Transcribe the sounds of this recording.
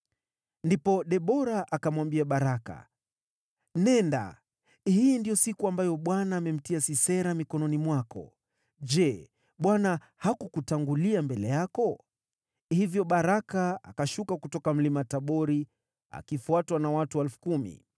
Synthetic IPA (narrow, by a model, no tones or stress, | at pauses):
ndipɔɗɛɓɔɾaʔakamwambiaɓaɾaka̰ | nɛnda̰ | hijindijɔsikuambajɔɓwanaːmɛm̩tiasisɛɾamikɔnɔnimwakɔ̰ | d͡ʒɛ | ɓwana | hakukutaŋɡuliambɛlɛjakɔ | hivjɔɓaɾakaa̰kaʃukakutɔkam̩limataɓɔɾi | a̰kifuatwanawatuɛlfu̥kumḭ